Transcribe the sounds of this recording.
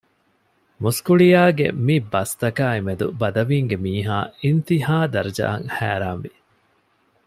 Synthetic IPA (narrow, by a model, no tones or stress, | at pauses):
muskuɭijaːɡḛmibɐst̪ɐkaːemed̪ṵbɐd̪ɐʋiːŋɡemiːɦaːint̪ihaːd̪ɐɾd͡ʒɐ̰ɐŋhæ̰ːɾaːmʋi